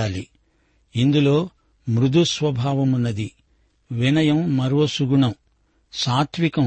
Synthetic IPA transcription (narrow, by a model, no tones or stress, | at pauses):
aːli | ind̪ulo̞ː | mɾud̪ʱusʋɐbʱaːʋɐmunːɐd̪i | ʋinɐjɐmːɐɾuosuɡuɳɐm | saːt̪ʰʋikɐm